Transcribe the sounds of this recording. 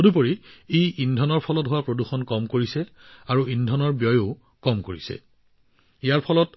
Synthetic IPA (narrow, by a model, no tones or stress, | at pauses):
odup̬oɹieʔindʱɔnɔɹpʰɔlɔtɦowapɹoduxɔnkɔmkoɹisɛ | aɹuindʱɔnɔɹbjɔjo | kɔmkoɹisɛ̰ | ijaɹpʰɔlɔt